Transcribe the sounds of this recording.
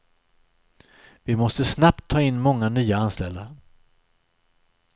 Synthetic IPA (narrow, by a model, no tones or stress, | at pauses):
vɪmɔst̪əsnap̚t̪ʰːɑːɪnːmɔŋːanyːaanst̪ɛld̪aɾ